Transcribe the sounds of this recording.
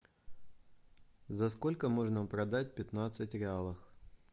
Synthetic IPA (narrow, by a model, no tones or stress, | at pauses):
zɐsko̞lʲkəmo̞ʐnəpɾɐd̪at̚ʲpʲɪt̪nat̪sɨtʲɾʲɪalˠəx